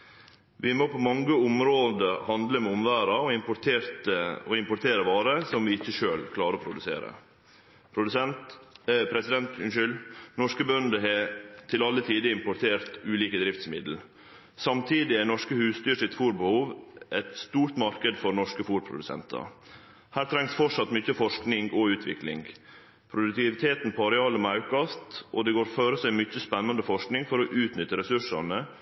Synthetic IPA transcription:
ʋɪmoːpʰomɑŋɡəʊmɾoːd̪əɾhɑnd̪ləmɛʊmʋæːɾɑɔɪmpʊt̪ʰeːɾt̪əɔɪmpʊʈt̪ʰeːɾəʋɑːɾəsɔmʋiːɪçːəʃøːlkʰlɑːɾəoːpʰɾʊd̪ʉsḛːɾə̰ | pʰɾʊd̪ʉsɛnt̪pʰɾɛsɪd̪ɛnt̪ʏnʃʏlnɔʂkəbœnd̪əɦɛt̪ʰɪlɑlːət̪ʰiːd̪əɪmpʊt̪ʰeːɾt̪ʉːliːkəd̪ɾɪft̪smɪ̰d̪l̩ | sɑmt̪ʰiːd̪ɪænɔʂkəhʉːst̪yːɾʂɪt̪fuːɾbəhuːʋʔɛt̪st̪uːɾt̪mɑɾkəd̪fɔɾnɔʂkəfuːɾpʰɾʊ̰d̪ʉsɛ̰nt̪ʰɑ̰ | hæːɾt̪ʰɾɛŋsfɔʈʂɑt̪mʏçːəfɔʂknɪŋɡɔʉːt̪ʰʋɪ̰klɪ̰ŋɡ | pʰɾʊd̪ʉk̚t̪ɪʋɪt̪ʰeːt̪n̩pʰɑɾɛɑːlɔmɑʉkɑst̪ʔɔd̪ɛɡoːɾføːɾəsæɪmʏt͡ʃːəspɛnːɑnd̪əfɔʂknɪŋfɔɾɔʔʉːt̪nʏt̪ːəɾɛsʉʂɑnə

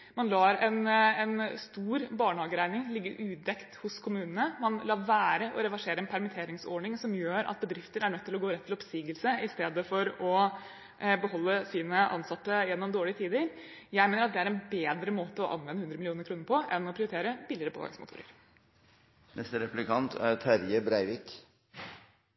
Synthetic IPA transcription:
mɑnlɑːɾɛnɛnst̪uːɾbɑːɳəhɑːɡəɾæɪnɪŋlɪɡːə̰ʔʉːd̪ɛkt̪hʊskʰʊmʉːnənəmɑnlɑːʋæːɾəʔɔɾɛʋæʂeːɾəɛnpʰæɾmɪt̪ʰeːɾɪŋsɔ̰ɳɪŋsɔmjøːɾʔɑ̰t̪̚bəd̪ɾɪft̪əɾæɳœt̪ːɪlɔɡoːɾɛt̪ʰːɪlɔpsiːɡəlsəɪst̪eːd̪əfɔɾɔ | bəɦɔlːəsiːnəʔɑ̰nsɑt̪ːəjɛnːɔmd̪oːɭɪət̪ʰiːd̪əɾ | jæɪmeːnəɾɑt̪̚d̪ɛæɾɛnbeːd̪ɾəmoːt̪əɔʔɑ̰nʋɛnːəʉnd̪ɾəmɪlɪuːnəɾkʰɾuːnəɾpʰɔʔɛnːɔpʰɾɪʊɾɪt̪eːɾəbɪlɪɾəpʰo̰ːʋɛ̰smʊt̪ʰṵːɾə̰ɾ | nɛst̪əɾɛplɪkʰɑnt̪ʰæɾt̪ʰæɾjəbɾæɪʋɪk

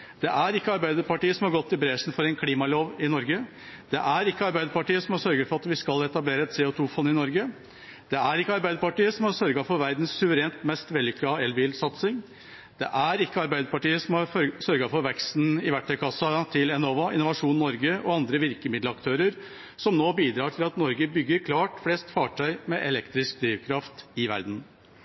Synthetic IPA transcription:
d̪̥ɛʔæɾɪkːəɑɾbæɪd̪əɾpɑʈiːəsɔmhɑɾɡɔt̪ːɪbɾeʂn̩fɔɾɛɪnkʰliːmɑloːʋɪnɔɾɡə | d̪̥ɛʔæɾɪkːəɑɾbæɪd̪əɾpɑʈiːəsɔmhɑsœɾɡəɾfɔɾɑt̪ʋɪskɑlɛt̪ɑbleːɾəɛt̪seːot̪ʰuːfɔnːɪnɔɾɡə | d̪̥ɛæɾɪkːəɑɾbæɪd̪əɾpɑʈiːəsɔmɑɾsœɾɡɑfɔɾʋæɾd̪n̩sːʉʋəɾeːnt̪mɛst̪ʋɛlːɪkʰlɑːɛlbiːlsɑt̪sɪŋ | d̪̥ɛ̰ʔæɾɪkːəɑɾbæɪd̪əpɑʈiːəsɔmɑsœɾɡɑfɔɾʋɛkst̪n̩ɪʋæʈʰːɛlkʰɑsːɑt̪ʰɪlɛnɔːʋɑɪ̰nʊʋɑʂuːnnɔɾɡəʔɔɑnd̪ɾəʋɪɾkəmɪd̪lɑkt̪ʰøːɾəɾ | sɔmnoːbiːd̪ɾɑːʈʰɪlɑt̪nɔɾɡəbʏɡːəɾkʰlɑːʈflɛːst̪fɑːʈʰœʏmɛʔɛlɛkt̪ɾɪsk̚d̪ɾiːʋkʰɾɑft̪ɪʋæ̰ɾd̪n̩

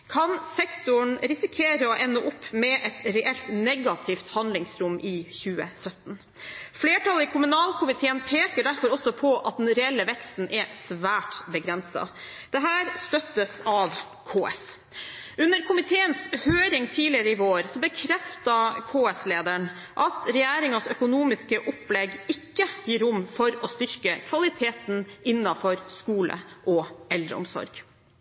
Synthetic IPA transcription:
kʰɑnsɛkt̪ʊɳɾɪsɪkʰeːɾəɔʔɛnːɔʔʊpːmɛʔɛt̪ɾɛʔɛlt̪nɛɡɑt̪ʰɪft̪hɑnd̪lɪŋsɾʊmːʔɪçʉːə̰sœt̪n | fleːʈʰɑləɪkʰʊmʉnɑːlkʰʊmɪt̪ʰeːənpʰeːkəɖæɾfɔɾɔsɔpʰɔʔɑt̪̚d̪ɛnɾɛɛlːəʋɛkst̪n̩ʔɛsʋæːʈbəɡɾɛnsɑ̰d̪̥ɛɦæːɾst̪œt̪ːəsɑʋ | kʰoːɛ̰s | ʉnːəɾkʰʊmɪt̪ʰeːənshøːɾɪŋt̪ʰiːlɪəɾəɪʋoːɾsɔbəkʰɾɛft̪ɑkʰoːɛsleːd̪æɳ | ʔɑt̪ɾɛjæːɾɪŋɑsœkʊnuːmɪskəʔʊplɛɡɪkːəjiːɾʊmːfɔɾɔst̪ʏɾkəkʰʋɑlɪt̪ʰeːt̪nɪnːɑfɔɾskuːlə̰ʔɔʔɛld̪ɾə̰ʊ̰msɔ̰ɾɡ

